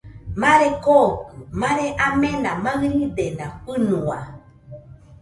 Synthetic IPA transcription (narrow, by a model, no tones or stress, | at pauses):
mãɾekokɨmãɾeʔamenamaɾid̪enaɸɨnua̰